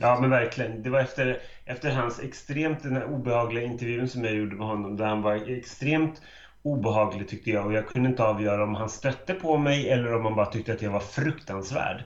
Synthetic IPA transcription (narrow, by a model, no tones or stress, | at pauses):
jɑːmɛnvæɾklɪɡənd̪ɛvaɾɛft̪əɾʔɛft̪əɾɦansɛkst̪ɾeːmt̪̚d̪ɛnæɾuːbɛhɑːɡlɪɡaɪnt̪ɛɾvjʉ̟ːənsɔmjajuːɖəmɛɦɔnːɔmd̪æɾhanvaɾɛkst̪ɾeːmt̪ | uːbɛɦɑːɡlɪɡt̪ʰʏk̚t̪əjɑːɡɔjɑːɡ̚kʰɵnd̪əɪnt̪əɑːvjœːɾaɔmɦanst̪œt̪ːəpʰɔmɛjɛlːəɾɔmhanbɑːɾat̪ʰʏk̚t̪əat̪javaɾfɾɵkt̪ansvæ̰ːɖ